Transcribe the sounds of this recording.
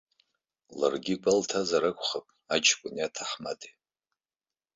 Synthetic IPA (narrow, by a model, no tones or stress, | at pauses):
larɡʲikʷʼaltʰazaɾakʷʰʼχapʼ | at͡ʃʰkʷʼʊniatʰaχma̰tʼi